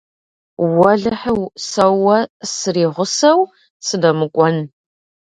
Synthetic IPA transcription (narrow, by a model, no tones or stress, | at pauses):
wɐɮɐħəwsɐwːɐsɨriːʁʷʊsɐw | sɨdɐmɨkʷʼɔn